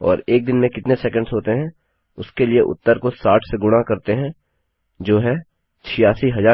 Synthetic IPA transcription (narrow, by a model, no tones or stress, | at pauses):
ɔ̰ːɾeːk̚d̪ɪnmẽkɪt̪nesɛːkə̃ɳɖzɦoːt̪eɦɛ̃ | ʊskelieʔʊ̰t̪ːəɾkosaːʈʰseɡʊɽ̃akɐɾt̪eɦɛ̃ | d͡ʒoːɦɛ | t͡ʃʰijaːsiɦɐzaː